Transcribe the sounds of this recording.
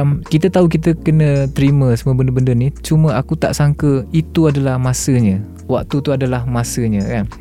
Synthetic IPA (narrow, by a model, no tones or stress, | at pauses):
mkit̪ət̪auk̬it̪̬əkənə̃t̪əɾimə̃səmuəbəndəbəndənit͡ʃumə̃akut̪a̰ʔsaŋkəit̪uadalahmasəɲə̃ | wa̰k̚t̪ut̪uadalahmasəɲə̃kan